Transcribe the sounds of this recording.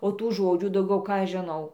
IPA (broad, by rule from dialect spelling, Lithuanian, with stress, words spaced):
oː ˈtuː ˈʒoːd͡ʒʲuː dɐʊˈɡʲɛʊ ˈkɑː ɐʃ ʒʲɪˈnɐʊ